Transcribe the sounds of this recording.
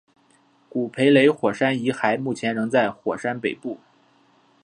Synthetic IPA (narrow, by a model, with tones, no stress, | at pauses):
ku˨˩pʰe˧˥ɪle˧˥ɪxwɔ˨˩ʂa˥ni˧˥xa˧˥ɪmu˥˩t͡ɕʰjɛ˧˥nɻɤ˧˥ŋt͡sa˥˩ɪxwɔ̰˨˩ʂa˥npe˨˩ɪpu˥˩